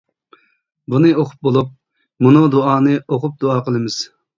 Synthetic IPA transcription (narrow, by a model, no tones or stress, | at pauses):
bunɨoqʰʊ̥p̚bolˠup̚ | munud̪uɑːnɨoqʰʊp̚d̪uɑːqəlˠɨmɪz̥